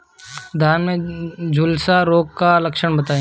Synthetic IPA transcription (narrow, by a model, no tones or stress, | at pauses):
d̪ʱaːnmẽd͡ʒʱʊlsaɾoːɡkalɐkʃəɽbɐt̪aːẽ